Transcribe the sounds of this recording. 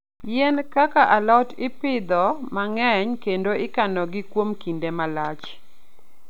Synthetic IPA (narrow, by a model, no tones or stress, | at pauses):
jɛnkakaʔalɔtɪpɪd̪ɔmaŋɛɲkendoɪkanɔɡɪkwomkindemalat͡ʃ